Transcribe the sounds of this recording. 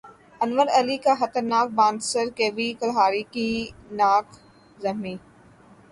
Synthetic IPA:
ɐnʋəɾɐlikaxɐt̪əɾnaːk̚bãːnd̪səɾkeːʋikəlɦaːɾikinaːk | zɐmĩː

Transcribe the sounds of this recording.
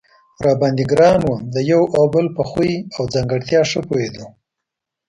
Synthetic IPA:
ɾɑbɑnd̪iɡɾɑnwumd̪əjawabəlpəxuiawd͡zaŋɡəɽt̪jɑʂəpoed̪o

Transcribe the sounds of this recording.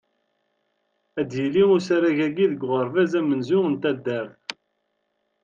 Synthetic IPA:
æd̪jəliʊsæɾæʝæɡiðəɡʷʁəɾˤvæzæmənzʊŋənt̪æd̪ːæɾθ

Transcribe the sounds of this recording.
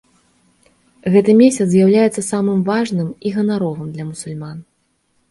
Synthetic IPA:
ɣɛt̪ɨmʲesʲɐt̪zʲjawlʲajɛt̪sːɐsamɨmvaʐnɨmiɣɐnaɾɔvɨmd̪lʲɐmusulʲman

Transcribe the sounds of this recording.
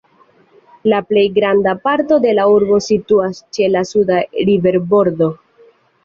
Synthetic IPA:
laple̞jɡɾandapaɾto̞de̞lauɾbo̞situast͡ʃe̞lasudaɾive̞ɾbo̞ɾdo̞

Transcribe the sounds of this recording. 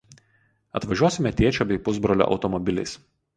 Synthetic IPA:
ɐ̰t̪ʋɐʒʲuɔsʲɪmʲɛt̪ʲiɛt͡ʃʲoːbʲɛɪpʊzbɾɔlʲo̰ːʔɒ̰ʊt̪ɔmɔbʲɪlʲɛ̰ɪs

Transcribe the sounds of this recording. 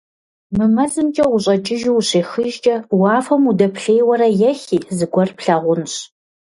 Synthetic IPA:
mɨmɐzɨmt͡ʃʼɐwʷʊɕʼɐt͡ʃʼɪʒɪwɕeːxɨʒt͡ʃʼɐwɑːfɐmudɐpɬeːjwɐɾɐjɛxiːzɨɡʷɔrpɬɐʁʷʊnɕ

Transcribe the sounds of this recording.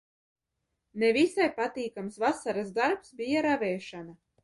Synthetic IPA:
nevisajpat̪iːkamsvasaɾasd̪aɾpsbʲijaɾavʲɛːʃana

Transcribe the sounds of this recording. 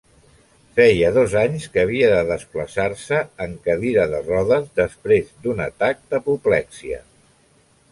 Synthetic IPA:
fɛjəðozaɲskəːβ̞iəðəðəspləsaɾsəːŋkəðiɾəðərɔðəzðəspɾezd̪unət̪ak̚d̪əpuplɛksiə̰

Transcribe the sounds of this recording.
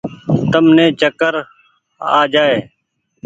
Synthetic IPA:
t̪əmnẽːt͡ʃəkəɾ | a̰ːd͡ʒaːeː

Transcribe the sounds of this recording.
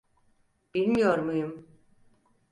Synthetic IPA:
b̥ilʲmijoɾmujum

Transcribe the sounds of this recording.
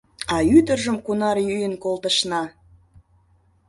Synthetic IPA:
ɑyd̪ərʒəmkunɑrjyjənkolˠt̪əʃnɑ

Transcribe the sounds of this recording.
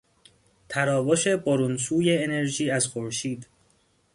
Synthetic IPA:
t̪ʰæɾɒːboʃe̞boɾunsuːje̞ːne̞ɾʒiːæzxoɾʃiːd̪

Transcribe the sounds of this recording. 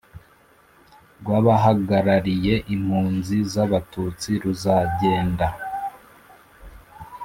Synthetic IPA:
ɡwaβaɦaɡaɾaɾije̞ʔim̥huːnzizaβatut͡siɾuzaɟe̞ːnda

